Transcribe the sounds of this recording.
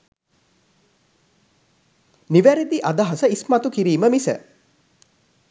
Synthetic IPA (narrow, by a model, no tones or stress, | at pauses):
niʋæɾid̪iʔad̪aɦɐsəismat̪ukiɾiːməmisə̰